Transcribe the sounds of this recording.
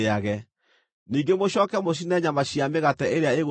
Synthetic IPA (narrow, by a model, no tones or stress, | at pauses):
eaɣɛ | niːŋɡemoɕɔːkɛmoɕ̬inɛɲamaɕiameɣatɛeɾeaeɣo